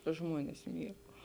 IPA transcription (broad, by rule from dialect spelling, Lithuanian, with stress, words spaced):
ˈʒmuɔnʲɛs ˈmʲiɛɡɐʊ